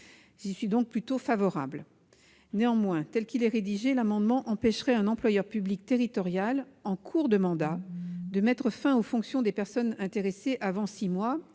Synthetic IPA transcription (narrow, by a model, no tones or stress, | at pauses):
ʒisɥid̪ɔ̃k̚plyt̪ofavɔʁa̰bl | neɑ̃mwɛ̃t̪ɛlkilɛʁed̪iʒelamɑ̃d̪mɑ̃ʔɑ̃pɛʃʁɛɛ̃nɑ̃plwajœʁpyblik̚t̪eʁit̪ɔʁjalɑ̃kʰuʁd̪əmɑ̃d̪ad̪əmɛt̪χəfɛ̃ofɔ̃ksjɔ̃d̪epɛʁsɔnɛ̃t̪eʁeseʔavɑ̃simwa